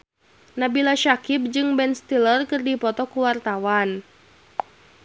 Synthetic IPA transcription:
nabilaʃakip̚d͡ʒɨŋbɛnst̪ilərkɨrdipɔt̪ɔkuwart̪awan

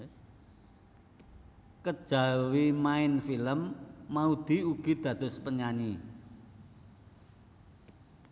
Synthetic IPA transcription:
kəd̥ʒ̥a̤wimaɪnfiləmːaud̪̥i̤uɡ̥i̤d̪̥ä̤d̪̥ʊ̤spəɲani

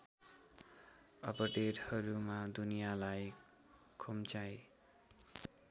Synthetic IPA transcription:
ʌpʌʈeɖhʌɾumad̪unijalaj | kʰomt͡saj

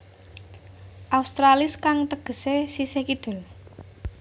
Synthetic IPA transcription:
ʔaust̪ɾalɪskaŋt̪əɡ̥ə̤sesisekid̪̥ə̤l

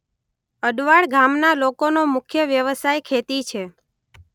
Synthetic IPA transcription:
əɖʋaɭɡʱamnalokonomʊkʰjəʋjəʋəsajkʰet̪it͡ʃʰe

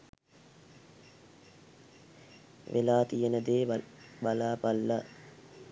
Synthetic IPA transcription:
ʋʔḛlaːt̪ijenəd̪eːbalaːpalːa

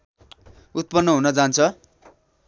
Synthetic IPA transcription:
ut̪̚pʌnːʌɦunʌd͡zant͡sʰʌ

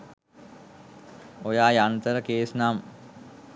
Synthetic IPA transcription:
ojaːjant̪əɾəkeːsnam

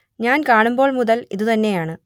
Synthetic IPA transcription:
ɲaːnkaːɳumbo̞ːɭmuðɐlḭðut̪ɐnːe̞jaːɳɨ

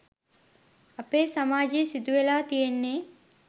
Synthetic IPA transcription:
ɐpeːsamaːd͡ʒejsid̪uʋelaːt̪ijenːe

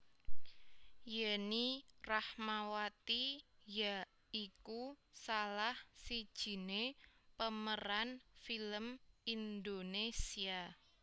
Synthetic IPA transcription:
janirahmawat̪ija | ikusalahsid̥ʒ̥i̤nepəməɾanfiləmind̪onesia

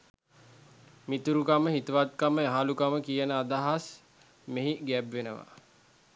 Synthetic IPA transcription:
mit̪uɾukaməɦit̪uʋat̪̚kaməaɦalukaməkijənəad̪aɦas | meɦiɡæbʋenəʋa̰

